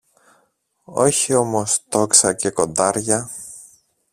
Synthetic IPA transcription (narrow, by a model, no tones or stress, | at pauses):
o̞çio̞mo̞st̪o̞ksɐce̞ko̞nd̪ɐɾʝɐ